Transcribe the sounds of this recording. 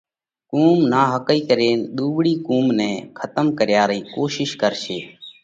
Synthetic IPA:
kuːmnaːɦəkəiːkəɾeːnɗ̪uːɓɽiːkuːmnɛ̃ːkʰət̪əmkəɾjaːɾəiːkoːʃɪʃkəɾʃeː

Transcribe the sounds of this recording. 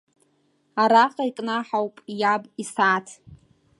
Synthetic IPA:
aɾaqʼaikʼnaħawpʼjabisaːtʰ

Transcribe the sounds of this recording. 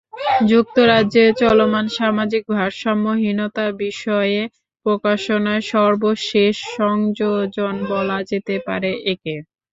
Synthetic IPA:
d͡ʑuk̚t̪oɾadet͡ɕɔlomanʃamad͡ʑik̚bʱaɾʃɔmːoɦinot̪abiʃɔe | pɾokaʃonaeʃɔɾboʃeʃːɔŋd͡ʑod͡ʑonbɔlad͡ʑet̪epa̰ɾeʔeke

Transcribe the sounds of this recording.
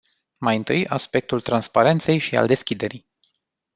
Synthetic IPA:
majɨnt̪ɨjaspe̞k̚t̪ult̪ɾanspaɾe̞nt̪se̞jʃia̰ld̪e̞skʲid̪e̞ɾij

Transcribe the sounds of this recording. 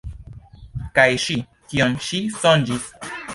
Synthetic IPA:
kajʃi | kionʃisond͡ʒis

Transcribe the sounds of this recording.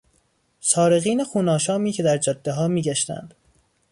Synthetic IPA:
sɒːɾe̞ɣiːnexuːnɒːʃɒːmiːcʰe̞d̪æɾd͡ʒɒd̪̥ːeɦɒːmiːɟæʃt̪æ̰nd̪̥

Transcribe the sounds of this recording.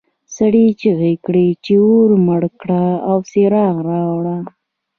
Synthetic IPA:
saɽit͡ʃiɣijkɽit͡ʃeoɾməɽkɽaawseɾɑɣɾɑwɽa

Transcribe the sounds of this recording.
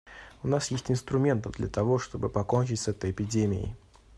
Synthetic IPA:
ʊnasjesʲtʲɪnst̪ɾʊmʲe̞nt̪əvd̪lʲət̪ɐvo̞ʂt̪o̞bɨpɐko̞nʲt͡ɕɪtʲsɛt̪əjɪpʲɪdʲemʲɪ̰ɪ̰

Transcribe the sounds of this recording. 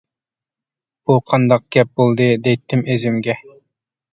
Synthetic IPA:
b̥uqʰɑnd̪ɑq̚ɡ̥ʲɛp̚bolˠd̪ɨd̪ɛjt̪ʰːɪmøzɪmɡʲɛ

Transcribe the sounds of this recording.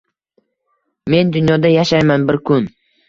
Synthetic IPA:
me̞nd̪ʊnjɒd̪ajaʃajmanbɪɾkʰʊn

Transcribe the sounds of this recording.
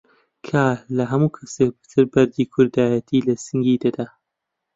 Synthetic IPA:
kʰaːlɐɦɐmuːkʰɐsek̚bɨ̥t̪ʰɨɾbɐɾd̪iːkʰʊɾd̪aːjɐt̪ʰiːlɐsɨŋɡiːd̪ɐd̪aː

